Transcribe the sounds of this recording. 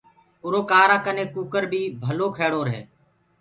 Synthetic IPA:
ʊɾoːkaːɾaːkəneːkuːkəɾbʱiːbʱəloːkʰeːɽoːɾɦḛː

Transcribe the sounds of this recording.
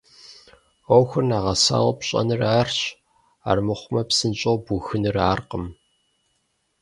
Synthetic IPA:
owxʷʊrnaːʁɐsa̰ːwɐpɕʼɐ̰nɨraːrɕ | a̰ːrmɨχʷʊmɐpsɨnɕʼoːbuxɨnɨraːrqəm

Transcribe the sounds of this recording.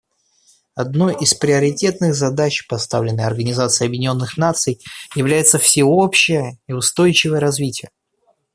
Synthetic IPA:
ɐd̪no̞jispɾʲɪɐɾʲɪtʲe̞t̪nɨɣzɐd̪at͡ɕpɐst̪avlʲɪnːəjɐrɡənʲɪzat̪sɨɪɐbjɪdʲɪnʲo̞nːɨxnat̪sɨjjɪvlʲæjɪt̪səfsʲɪo̞pɕːɪjəiʊst̪o̞jt͡ɕɪvəjəɾɐzvʲitʲɪjə

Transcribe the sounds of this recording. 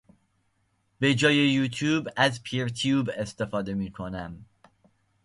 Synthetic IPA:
bed͡ʒɒːjejuːt̪ʰjuːbæzpʰiɾt̪ʰjuːbest̪ʰefɒːd̪emiːkʰonæm

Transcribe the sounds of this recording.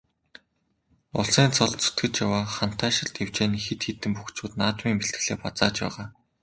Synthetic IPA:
ʊ̰ɮsæːnt͡sɔɮt̪t͡sʰɵ̥t̪ɡɘ̆t͡ɕjawaːχan̥t̪ʰːæːʃɪ̆ɮt̪ew̥t͡ɕeːnixet̪xet̪ɘ̆mpuxt͡ɕʊːt̪naːt̪miːŋmeɬt̪ɘ̥̆ɮeːpat͡saːt͡ɕpæ̰ːʁaː

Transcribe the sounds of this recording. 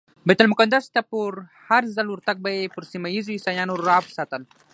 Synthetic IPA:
bejt̪almʊkand̪ast̪apuɾhaɾzalwʊɾt̪ak̚bajepʊɾsimaizoisaːjaːnoɾaːbsaːt̪əl

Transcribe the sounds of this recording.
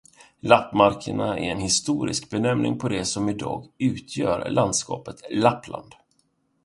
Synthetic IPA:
lapːmaɾkʰəɳaɛɾɛnhɪst̪uːɾɪ̰sk̚bɛnɛmnʔɪ̰ŋpʰɔd̪ɛsɔmɪd̪ɑ̰ːɡʉ̟ːt̪ʰjœːɾlʔand̪skɑ̰ːpət̪lapːlʔa̰nd̪̥

